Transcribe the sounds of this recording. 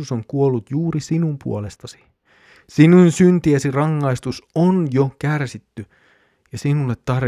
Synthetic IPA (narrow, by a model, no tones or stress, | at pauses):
usoŋkuolːut̪juːɾisinumpṵolest̪ɑsi̥ | sinunsynt̪iæsirɑŋːɑist̪usonjokærsit̪ːy | jɑsinulːet̪tːɑr